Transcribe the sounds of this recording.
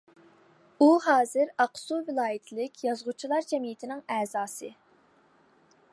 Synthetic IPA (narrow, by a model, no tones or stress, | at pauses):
uɦɑːzɨɾɑqsuvɪlˠɑːjɪt̪ʰɪlɪkʲjɑzʁut͡ʃʰilˠɑɾd͡ʒɛmijɪt̪ʰɪnɪŋɛːzɑːsɨ